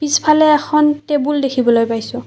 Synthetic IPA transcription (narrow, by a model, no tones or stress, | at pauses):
pispʰalɛːxɔntebuldekʰibɔlojpajsʊ̃